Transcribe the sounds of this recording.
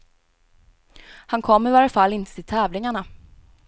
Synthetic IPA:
hankʰɔmːɪvaːɾəfalːɪnt̪ə̥t̪ʰɪlt̪ʰɛːvlɪŋaɳa

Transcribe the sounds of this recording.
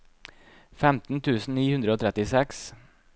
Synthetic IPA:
fɛmt̪n̩t̪ʰʉːsn̩niːhʉnd̪ɾəoːt̪ʰɾɛt̪ɪsɛks

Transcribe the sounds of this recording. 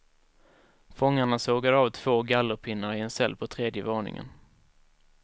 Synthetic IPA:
fɔŋːaɳasoːɡaɾɑːvt̪ʰv̥oːɡalːəɾpʰɪnːaɾɪɛnsɛlːpʰɔt̪ʰɾeːd̪jəvoːɳɪ̰ŋə̰n

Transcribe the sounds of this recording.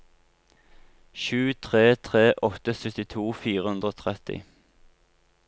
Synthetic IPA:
ʃʉːt̪ʰʁeːt̪ʰʁeːʔɔt̪əsʏt̪ɪt̪ʰuːfiːʁəhʉnd̪ʁoːt̪ʰʁɛt̪ɪ̰

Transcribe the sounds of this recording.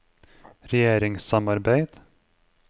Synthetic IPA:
ɾɛjeːɾɪŋsamaɾbejt̪

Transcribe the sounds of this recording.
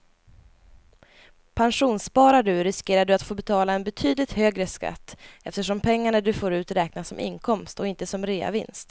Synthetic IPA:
pʰanʂuːnspɑːɾaɖɵɾɪskeːɾaɖɵat̪foːbɛt̪ʰɑːlaɛnbɛt̪ʰyːd̪lɪt̪høːɡɾəska̰t̪ːɛft̪əʂɔmpʰɛŋːaɳad̪ɵfoːɾʉ̟ːt̪ɾɛːknasɔmʔɪ̰nkʰɔmst̪ɔɪnt̪əsɔmɾeːa̰vɪ̰nst̪

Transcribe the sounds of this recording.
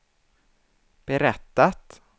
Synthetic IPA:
b̥ɛɾɛt̪ːat̪

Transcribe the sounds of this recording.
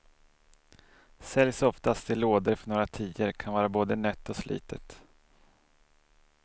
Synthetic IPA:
sɛljsɔft̪ast̪ʰɪlːoːd̪əɾfœɳoːɾat̪ʰiːəɾkʰanvɑːɾaboːd̪ənœt̪ːɔslʔḭːt̪ʰət̪

